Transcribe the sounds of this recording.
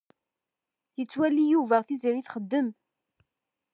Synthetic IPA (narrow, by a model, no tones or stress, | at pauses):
jət͡sːwælijuvæʁθiziɾiθχəd̪ːəm